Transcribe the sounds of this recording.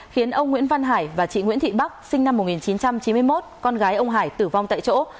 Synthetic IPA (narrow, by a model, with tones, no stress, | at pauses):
xi˨˦ənʔə˧wŋ͡mŋw̰i˧˥ənva˧nɦaː˧˩jvaː˨˩t͡ɕḭ˧˨ŋwḭ˧˥nt̪ʰḭ˧˨ɓa˦˥k̚sï˧ŋna˧mː˨˩t̚ŋi˨˩nt͡ɕi˨˦nt͡ɕa˧mt͡ɕi˨˦nmɨ˧əjmo˦˥t̚kɔ˧nɣaː˨˦jʔə˧wŋ͡mɦaː˧˩jt̪ɨ˧˩va˧wŋ͡mt̪a̰ː˧˨jt͡ɕo̰˧˥